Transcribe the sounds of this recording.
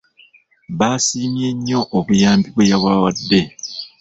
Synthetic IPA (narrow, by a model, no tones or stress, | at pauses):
βaːsiːmje̞ɲːo̞ʔːβujaːmbiβwejaβawadːe̞